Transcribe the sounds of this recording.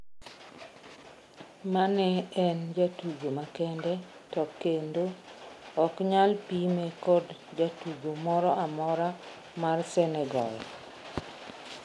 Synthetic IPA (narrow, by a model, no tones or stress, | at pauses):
manɛɛnd͡ʒatuɡomakɛndɛ | tɔkːendoɔkɲalpimekɔdd͡ʒatuɡomɔɾɔamɔɾa | marsɛnɛɡɔ̰jɔ